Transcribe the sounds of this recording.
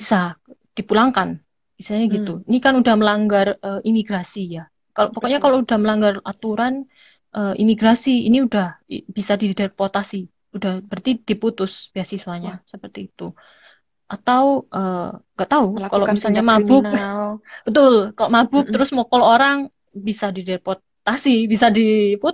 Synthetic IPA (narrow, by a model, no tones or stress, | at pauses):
bisad̥ipulaŋkan | b̥isaɲaɡit̪uinikanudahməlaŋɡarəimiɡɾasija | kalopɔkɔʔɲakaloudahməlaŋɡarat̪uɾan | ʔəːʔḭmiɡɾasiḭniudahb̥isadidɛrpot̪asi | udahbərt̪id̥iput̪ʊsb̥iasisuaɲasəpərt̪iːt̪u | ʔat̪awʔəːŋɡaʔt̪aukaloʔmisalɲamabʊk̚ | b̥ət̪ʊlkaloʔmabʊk̚t̪əɾʊsmokɔlooɾaŋ | bisadidɛrpɔ | t̪asibisadipu